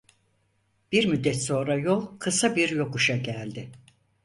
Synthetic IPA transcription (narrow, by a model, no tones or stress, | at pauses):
b̥iɾmyd̪ːɛt̪so̞ːnɾajo̞lˠkʰɯsabiɾjo̞kuʃaɟælʲd̪ɪ